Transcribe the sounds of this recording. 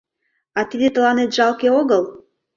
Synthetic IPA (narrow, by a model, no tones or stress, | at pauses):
ɑt̪id̪et̪ə̆lɑnet̪ʒ̥ɑlkeoɣəl